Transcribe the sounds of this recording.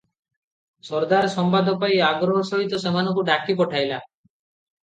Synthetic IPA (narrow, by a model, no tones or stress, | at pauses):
sɔɾd̪aɾsɔmpad̪ʱɔpajaɡɾɔɦɔsɔɦit̪ɔs̬em̤anɔŋkuɖakipɔʈʰajla